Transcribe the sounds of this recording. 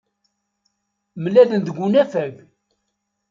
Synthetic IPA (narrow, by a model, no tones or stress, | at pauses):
məlælənd̪əɡʷunæfæɡ